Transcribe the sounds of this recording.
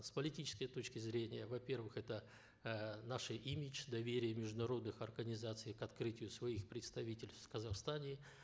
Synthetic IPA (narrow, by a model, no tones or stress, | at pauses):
spəlʲɪtʲit͡ɕɪ̥skəjət̪ot͡ɕkʲɪzɾʲenʲɪjəvɐpʲe̞rvɨxɛt̪ə | naʂɨʔimʲɪt͡ɕd̪ɐvʲeɾʲɪjəmʲɪʐd̪ʊnɐɾo̞d̪nɨxɐrɡənʲɪzat̪sɨjkɐt̪kɾɨtʲɪjʊsvɐixpɾʲɪt̪st̪ɐvʲitʲɪlʲt̪kəzɐxst̪anʲɪ